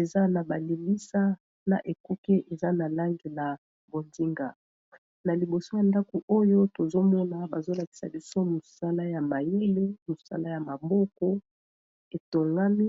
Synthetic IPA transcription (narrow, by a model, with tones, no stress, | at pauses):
e˨za˦na˨ba˨li˨li˦sa˦ | na̰˨ʔe˨ku˦ke˦ʔe˨za˦na˨la˦ŋɡi˨la˨ | bo˨ndi˦ŋɡa˨ | na˨li˨bo˨so˦ja˨nda˦ko˨ʔo˦jo˦to˨zo˦mɔ˦na˨ba˨zo˦la˨ki˨sa̰˨bi˦so˦mu˨sa˦la˦ja˨ma˨je˦le˦mu˨sa̰˦la˦ja˨ma˨bɔ˦kɔ˦ | e˨to˨ŋɡa˦mi˦